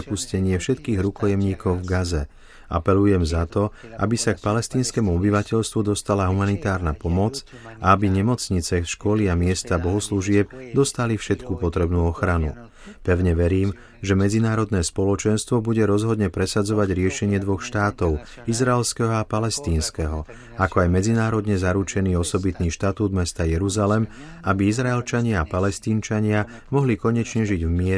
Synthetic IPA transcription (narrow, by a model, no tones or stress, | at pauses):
ɛpuscɛɲɪɛfʃɛt̪kiːɣɾukɔjɛmɲiːkɔʊvɡazɛ | ʔa̰pɛlujɛmzat̪ɔa̰bisak̚palɛst̪iːnskɛmuɔbiʋacɛʎst̪ʋud̪ɔst̪alaɦumanit̪aːɾnapɔmɔt͡s | aabiɲɛmɔt͡sɲit͡sɛʃkɔliamɪɛst̪abɔɦɔsluʒɪɛb̚d̪ɔst̪alifʃɛt̪kupɔt̪ɾɛbnuːɔxɾanṵ | pɛʊɲɛʋɛɾiːm | ʒɛmɛd͡zinaːɾɔd̪nɛːspɔlɔt͡ʃɛnst̪ʋɔbuɟɛɾɔzɦɔd̪ɲɛpɾɛsad͡zɔʋaɟɾɪɛʃɛɲɪɛd̪ʋɔxʃt̪aːt̪ɔʊ | izɾaɛlskɛɦɔapalɛst̪iːnskɛɦɔ | akɔajmɛd͡zinaːɾɔd̪ɲɛzaɾut͡ʃɛniːɔsɔbit̪niːʃt̪at̪uːd̪mɛst̪ajɛɾuzalɛm | abiizɾaɛlt͡ʃaɲɪaapalɛst̪iːnt͡ʃaɲɪa | mɔɦlikɔɲɛt͡ʃɲɛʒiɟvmɪɛ